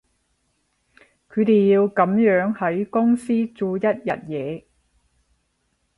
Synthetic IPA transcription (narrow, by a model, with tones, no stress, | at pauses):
kʰɵ˨˧t̪e˨jjiː˧wkɐ˨˥mjœː˨˥ŋhɐ˨˥jkʊ˥ŋsiː˥t͡suː˧jɐ˥t̚jɐ˨t̚jɛː˨˧